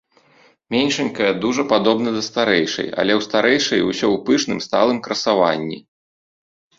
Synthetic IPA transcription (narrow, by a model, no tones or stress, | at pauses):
mʲenʲʂɐnʲkɐjɛd̪uʐɐpad̪ɔbnɐd̪ɐst̪aɾɛjʂɐ̰jɐ̰lʲɛwst̪aɾɛjʂɐ̰jusʲɔwpɨʂnɨmst̪a̰lˠɨmkɾɐsava̰nʲːḭ